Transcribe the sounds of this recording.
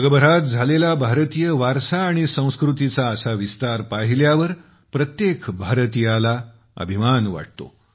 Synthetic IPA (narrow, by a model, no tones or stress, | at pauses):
əɡəbəɾat̪̚d͡zʱalelabʱaɾət̪ijəʋaɾsaːɽ̃isə̃w̃skɾut̪it͡saəsaʋist̪aɾpaɦiljaʋəɾ | pɾət̪jekbʱaɾt̪ijala | ə̰bʱimanʋa̰ʈ̚t̪o̰